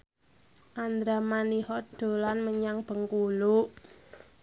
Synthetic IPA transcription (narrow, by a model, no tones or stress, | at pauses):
ʔand̪ɾamanihɔd̪̥o̤lanməɲaŋb̥ə̤ŋkuluʔ